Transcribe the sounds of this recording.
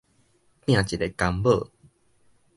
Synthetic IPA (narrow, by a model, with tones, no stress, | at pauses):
t̪j̃ã˥˨t͡ɕi˨˩le˨˩˨ka˧mbə˥˧˨